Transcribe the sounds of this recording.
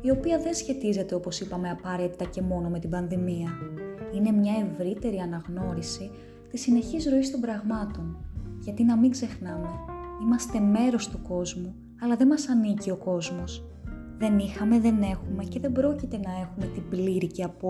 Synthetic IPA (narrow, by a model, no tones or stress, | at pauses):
io̞piɐðe̞nsçe̞t̪ize̞t̪eo̞po̞sipɐme̞ɐpɐɾe̞t̪it̪ɐce̞mo̞no̞me̞t̪ibɐnðimiɐine̞mɲɐe̞vɾit̪e̞ɾiɐnɐɣno̞ɾisi | t̪isine̞çizɾo̞ist̪o̞mbɾɐɣmɐt̪o̞nʝɐt̪inɐmiɡze̞xnɐme̞imɐst̪e̞me̞ɾo̞st̪uko̞zmu | ɐlɐðe̞mɐsɐnicio̞ko̞zmo̞s | ðe̞nixɐme̞ðe̞ne̞xume̞ce̞ðe̞bɾo̞cit̪e̞nɐe̞xume̞t̪ibliɾice̞ɐpo